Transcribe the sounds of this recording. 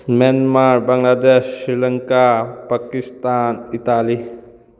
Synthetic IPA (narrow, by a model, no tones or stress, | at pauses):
menmaɾbaŋlad̪essɾilɐŋkapakist̪anitali